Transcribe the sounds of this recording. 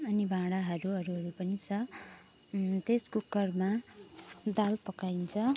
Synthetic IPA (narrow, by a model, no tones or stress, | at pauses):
ʌnibʱãɽaɦʌɾuʌɾuɦʌɾupʌnit͡sʰʌ | t̪eskukːʌrma | d̪alpʌkaint͡sʰʌ